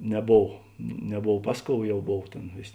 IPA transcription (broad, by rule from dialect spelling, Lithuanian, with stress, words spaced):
nʲɛˈboːw nʲɛˈboːw ˈpɐs ˌkoːʊ ˈjɛʊ ˈboːw ˈtʲeːn ˈʋʲeːsʲ